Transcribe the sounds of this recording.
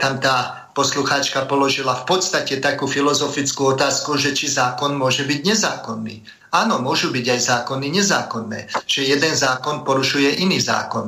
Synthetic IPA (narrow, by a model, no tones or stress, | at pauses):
t̪amt̪aː | pɔsluxaːt͡ʃkapɔlɔʒilafpɔt̪st̪acɛt̪akuːfilɔzɔfit͡skuɔt̪aːskuʒɛt͡ʃizaːkɔnmʊɔʒɛbiɟɲɛzaːkɔnːḭː | aːnɔmʊɔʒubiɟajzaːkɔnːiɲɛzaːkɔnːɛ̰ːʒ̥ɛjɛd̪ɛnzaːkɔnpɔɾuʃujɛʔiniːza̰ːkɔn